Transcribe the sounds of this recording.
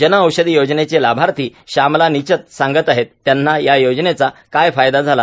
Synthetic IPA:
d͡ʑənəəwɕəd̪ijod͡ʑnet͡selabʱaɾt̪ʰiːɕamlanit͡ɕət̪̚sãŋɡət̪aɦet̪ːjanːajajod͡ʑnet͡sakajfajd̪ad͡zʱala

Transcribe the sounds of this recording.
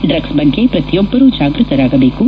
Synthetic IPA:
ɖɾɐɡsbɐɳkepɾɐt̪jɔbːɐɾuːd͡ʒaːɡɾɨt̪ɐɾaːɡɐbe̞ːku

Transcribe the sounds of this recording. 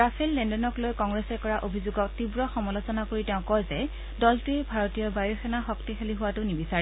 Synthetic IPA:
ɹafʰelːɛndɔnɔklojkɔŋɡɹɛsɛkɔɹaʔobʱizuɡɔk̚tibɹɔxɔmɔlosɔnakoɹitɛʊ̃kɔjzɛ | dɔltuɛbʱaɹotijɔbajɔxɛnaxɔktixeliɦʊwatʊnibisaɹi

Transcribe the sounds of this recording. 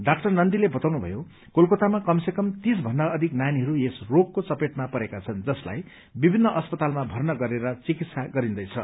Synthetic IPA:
ɖak̚ʈʌrnʌnd̪ilebʌt̪awnubʱʌ̰jo | kolkot̪amakʌmsekʌmt̪isbʱʌnːʌʌd̪ʱiknajniɦʌɾuesrokkːot͡sʌpeʈmapʌɾekat͡sʰʌnd͡zʌsla̰j | bibʱinːʌʔʌspʌt̪almabʱʌrnʌɡʌɾeɾʌt͡sikit̪saɡʌɾĩnd̪ʌjt͡sʰʌ

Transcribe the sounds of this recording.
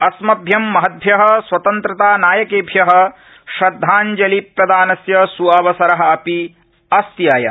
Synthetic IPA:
ɐsmɐbʱjɐmːɐɦɐd̪̚bʱjɐɦɐ̆swɐt̪ɐnt̪ɾɐt̪aːnaːjɐkeːbʱjɐɦɐ̆ | ʃɾɐd̪ʱːaːnd͡ʒɐlipːɾɐd̪aːnɐsjɐsuaːʋɐsɐɾɐɦɐ̆ɐpi | ɐst̪jaːjɐ

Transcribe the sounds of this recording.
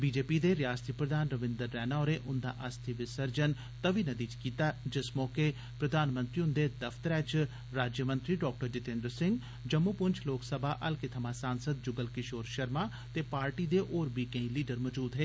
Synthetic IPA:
biːd͡ʒeːpiːd̪eːɾɪjaːst̪ʰiːpɾəd̪aːnɾəʋɪ̃nd̪əɾːɛːnaːoɾeːʔʊnd̪a̰ːʔəst̪ʰiʋɪsəɾd͡ʒən | t̪əʋiːnəd̪iːd͡ʒkiːt̪aːd͡ʒɪsmɔːke | pɾəd̪aːnmə̃nt̪ɾiːʊnd̪eːd̪əfʰt̪əɾɛːt͡ʃ | ɾaːd͡ʒjəmə̃nt̪ɾiːɖɔːk̚ʈəɾɖɪt̪ẽːnd̪ɾəsɪ̃ŋɡ | d͡ʒəmːuːpʊnt͡ʃʰloːksəbʱaːʔəlkɪt̪ʰəmaːsaːnsəd̪̚d͡ʒʊɡəlkɪʃoːɾʃəɾmaː | t̪eːpaːɾʈiːd̪eːʔoːɾbiːkẽĩliːɖəɾmɔːd͡ʒuːd̪ɦeː

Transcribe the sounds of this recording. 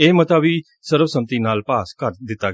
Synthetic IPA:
eːmət̪aːʋiː | səɾʋsəmt̪iːnaːlpaːskəɾd̪ɪt̪ːaːɡ

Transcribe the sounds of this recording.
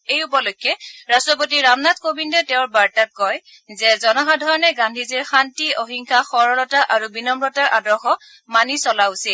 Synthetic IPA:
ejupɔlojkːɛɹastɹɔpot̬iɹamnat̚kobindɔtɛʊ̃ɹbaɹtat̚kɔj | zɛzɔnɔɦadʱɔɹɔnɛɡandʱiziɹxantioɦiŋkʰaxɔɹɔɹɔtaʔaɹubinɔmɹɔtaɹʔadɔɹxɔ | manisɔlausil

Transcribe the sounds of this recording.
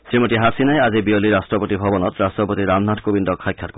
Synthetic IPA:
sɾimoʈiɦasinaeazibioliɾasʈɾɔpɔt̪ibʱɔbɔnɔt̪ɾastɾɔpɔt̪iɾamnaʈʰkobind̪ɔkʰːajkʰːjaɾku

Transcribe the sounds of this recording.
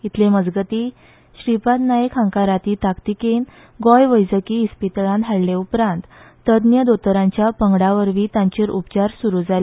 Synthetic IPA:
it̪ʰleməd͡zɡət̪iː | ɕɾipat̪najekɦãŋkaɾat̪iːt̪akt̪iken | ɡɔjʋəjd͡zəkiispit̪lãnt̪ʰaɽleupɾãnt̪ː | əd̪njəd̪ot̪əɾãɲt͡ɕjapəŋɡɽaʋəɾʋiːt̪ãɲt͡ɕeɾupt͡ɕaɾsuɾud͡zʱale

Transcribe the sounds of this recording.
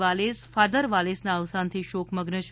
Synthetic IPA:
ʋalesfad̪əɾʋalesnaəʋsant̪ʰiʃokʰməɡnəʃ

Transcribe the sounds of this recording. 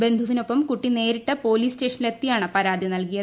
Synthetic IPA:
be̞nd̪ʱuʋino̞pːɐmkuʈːine̞ːɾiʈːɨpo̞ːliːsteːʂɐnilet̪ːijaːɳɨpɐɾaːd̪ʱinɐlkijɐ

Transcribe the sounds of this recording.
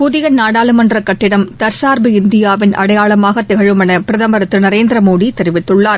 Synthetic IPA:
pʊðɪɣɐnaːɽaːlɯmɐndrɐkɐʈːɪɽɐmt̪ɐɾsaːɾbiɪnd̪ɪjaːʋɪnʔɐ̰ɽɐjaːɭɐmaːɣɐt̪ɛɣɐɻɯmɐnɐpɪɾɐðɐmbɐɾɐt̪ːɯnɐɾeːnd̪ɪɾɐmoːɽit̪ɛɾɪʋɪt̪ːɯɭːaːɾ

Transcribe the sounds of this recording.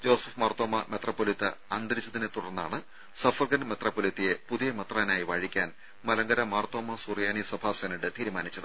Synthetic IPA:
d͡ʑo̞ːsɐfmɐrt̪ːoːmɐme̞t̪rapːoːlit̪ːɨ̰ɐnd̪ɐɾit͡ɕːɐðinet̪uɽɐrnːa̰ːɳɨ | sɐfɐrɡɐnmet̪rɐːpːolit̪ːije̞puðijɐmɐt̪raːnaːjiʋɐːɻikʲːaːn | mɐlɐŋɡɐɾɐmɐrt̪ːo̞ːmɐsurjaːnisɐbʱaːseːnɐɽɨt̪iːɾumaːnit͡ɕːɐðɨ

